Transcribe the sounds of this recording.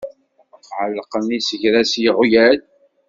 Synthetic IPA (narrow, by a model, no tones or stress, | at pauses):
əqʕəlːqəmisəʝɾæsjəʁʊjæl